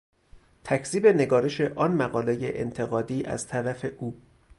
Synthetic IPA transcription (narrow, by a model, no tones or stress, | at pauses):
t̪ʰæcʰz̥iːbe̞ne̞ɡɒːɾe̞ʃe̞ʔɒːnmæɣɒːlejeʔḛnt̪ʰe̞ɣɒːd̪iːʔæ̰z̥t̪ʰæɾæfe̞ʔuː